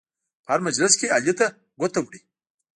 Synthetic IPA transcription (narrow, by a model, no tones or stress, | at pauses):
pəaɾmɐd͡ʒlɪskealit̪a | ɡʷot̪awɽi